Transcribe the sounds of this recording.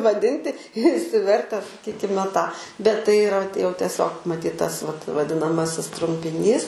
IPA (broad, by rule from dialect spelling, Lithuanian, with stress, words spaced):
ʋɐˈdʲɪnʲtʲɪ ɪʃʲsʲɪˈʋʲɛrʲtʲɛ sɐˈkʲiːkʲɪmʲɛ tɑː bʲɛt tɐɪ iːˈrɐ jɛʊ tʲiɛˈsʲoːk mɐˈtʲiːt ˈtɐs ʋɐt ʋɐdʲɪnɐˈmɑːsʲɪs trʊmʲpʲɪˈnʲiːs